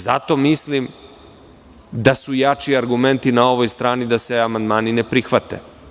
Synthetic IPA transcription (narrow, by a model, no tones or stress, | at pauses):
zat̪o̞mislim | d̪asujat͡ʃiaɾɡume̞nt̪inao̞ʋo̞jst̪ɾaːnid̪aseamand̪maːninepɾixʋat̪ḛ